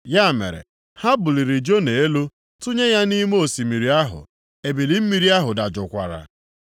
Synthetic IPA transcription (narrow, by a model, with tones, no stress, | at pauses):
ja˦˨mḛ˨ɾḛ˨ | ha˦bʊ˨li˨ɾi˨d͡ʒo˦ne˨e˦lu˦ | tʊ˦ɲe˦ja˦ni˦m˦o˨si˨mi˨ɾi˨a˦ɦʊ̰˨ | e˨bi˨li˨m̩˦mi˨ɾi˦a˦ɦʊ˨da˨d͡ʒʊ˨kʷa̰˨ɾa̰˨